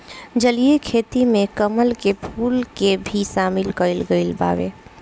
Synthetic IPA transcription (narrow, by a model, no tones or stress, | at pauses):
d͡ʒəlijekʰet̪imekəməlkepʰulkebʱisamilkəɪlɡəɪlba̰ʋḛ